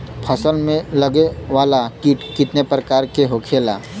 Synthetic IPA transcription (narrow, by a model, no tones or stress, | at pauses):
pʰəsəlmẽləɡeʋaːlakiʈkɪt̪nepɾəkaːɾkeɦokʰeːla